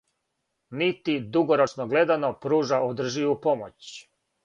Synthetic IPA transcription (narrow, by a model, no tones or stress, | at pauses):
nit̪id̪uɡoɾot͡ʃnoɡle̞d̪anopɾuːʒaod̪r̩ʒiʋupomo̰t͡ɕ